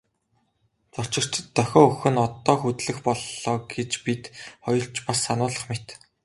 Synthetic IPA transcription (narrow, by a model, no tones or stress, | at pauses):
t͡sɔrt͡ɕɪ̆r̥t͡ɕt̪ʰːœxʲɔːɵxɘ̆nɔt̪ɔːxut̪ɮɘ̆xpɔɮːɔːɡet͡ɕpit̪χɔjɞ̆ɬt͡ɕpasːanʊːɮə̆χmet̪